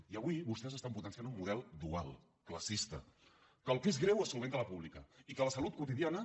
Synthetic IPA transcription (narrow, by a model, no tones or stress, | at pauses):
iəβwiβust̪ɛzəst̪amput̪ənsianumuðɛlˠd̪ua̰lˠ | kləsist̪ə̰ | kəlˠkezɣɾɛwəsulˠβent̪ələpuβlikəikələsəlut̪̚kut̪iðianə